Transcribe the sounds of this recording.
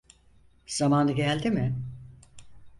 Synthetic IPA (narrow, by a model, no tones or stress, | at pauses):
z̥amaːnɯɡɛlʲd̪imɪ